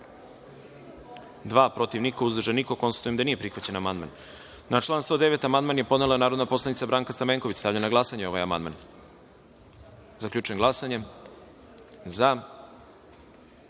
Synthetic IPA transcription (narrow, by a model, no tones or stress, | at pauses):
d̪ʋaːpɾo̞t̪iʋnikauzd̪rʒeniko̞ko̞nst̪ḁt̪ujemd̪anije̞pɾixʋat͡ɕe̞namand̪ma̰nː | aʈ͡ʂlˠaːnst̪o̞ːd̪e̞ʋe̞t̪amand̪maːnje̞po̞d̪ne̞lˠanaːɾod̪napo̞slˠanit̪sabɾaːŋkast̪ameŋko̞ʋit͡ɕst̪aːvʎanaɡlˠasaɲeo̞ʋajama̰nd̪ma̰n | zakʎʲuːt͡ʃueŋɡlˠasaɲe̞ | za